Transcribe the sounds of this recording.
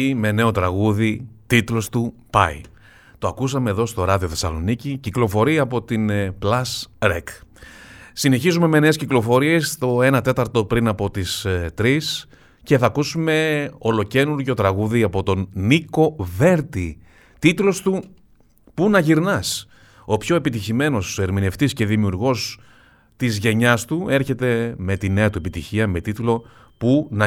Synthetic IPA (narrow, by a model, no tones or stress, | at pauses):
me̞ne̞o̞t̪ɾɐɣuðit̪it̪lo̞st̪upɐ̰ḭ | t̪oɐkus̬ɐme̞ːðo̞st̪o̞ɾɐðio̞θe̞sɐ̰lo̞̰niciciklo̞fo̞ɾiɐːpo̞t̪inplɐsɾḛk | sine̞çizume̞me̞ne̞ːsciklo̞fo̞ɾie̞st̪o̞e̞nɐt̪e̞t̪ɐɾt̪o̞pɾinɐpo̞t̪ist̪ɾis | ce̞θɐkusume̞o̞lo̞ce̞nuɾʝo̞t̪ɾɐɣuðiɐpo̞t̪o̞niko̞ve̞ɾt̪i | t̪it̪lo̞st̪u | punɐʝiɾnɐs | o̞pço̞e̞pit̪içime̞no̞se̞ɾmine̞ft̪isce̞ðimiuɾɣo̞s | t̪izʝe̞ɲɐst̪ue̞ɾçe̞t̪e̞me̞t̪ine̞ɐt̪uepit̪içiɐme̞t̪it̪ulo̞ | punɐ